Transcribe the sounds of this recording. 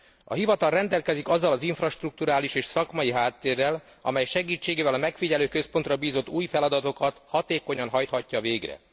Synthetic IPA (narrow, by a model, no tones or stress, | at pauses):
ɒ̰ɦivɒt̪ɒlrɛnd̪ɛlkɛzikɒzːɒlɒziɱfrɒʃt̪ruk̚t̪uɾaːliʃeːʃsɒkmɒjiɦaːt̪ːeːrːɛl | ɒ̰mɛjʃɛɡiːt͡ʃːeːɡeːvɛlɒmɛkfiɟɛløːkøspo̞nt̪rɒbiːzo̞t̪ːuːjfɛlɒd̪ɒt̪o̞kɒt̪hɒt̪eːko̞ɲɒnɦɒjt̪hɒcːɒveːɡrɛ̰